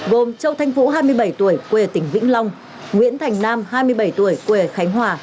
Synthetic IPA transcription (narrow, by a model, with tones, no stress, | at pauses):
ɣo˨˩mt͡ɕə˧wt̪ʰa˧jŋ̟fṵ˧˥ɦaː˧jmɨ˧əjɓə˧˩jt̪u˧˩əjkwe˨˩t̪ï˧˩ŋ̟vḭ˧˥ŋ̟la˧wŋ͡m | ŋwḭ˧˥ənt̪ʰa˨˩jŋ̟naː˧mhaː˧jmɨ˧əjɓə˧˩jt̪u˧˩əjkwe˨˩xa˨˦jŋ̟ɦwaː˨˩